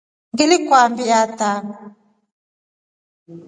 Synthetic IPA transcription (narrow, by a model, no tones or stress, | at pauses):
ŋɡɪlikwambiatam